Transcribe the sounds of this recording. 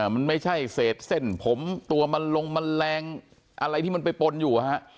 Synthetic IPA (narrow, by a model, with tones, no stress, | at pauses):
ma˧nma˥˩jt͡ɕʰa˥˩jseː˨˩t̪̚se˥˩npʰo˩˦mt̪u˧ɐma˧nlo˧ŋma˧nlɛː˧ŋ | ʔa˧ɾa˧jt̪ʰiː˥˩ma˧npa˧jpo˧njuː˨˩ʔa˨˩ha˦˥ʔ